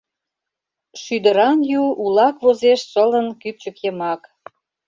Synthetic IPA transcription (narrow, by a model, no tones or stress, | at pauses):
ʃyd̪əɾɑnjuulɑkβozeʃsələnkyp̚t͡ɕə̆kjəmɑk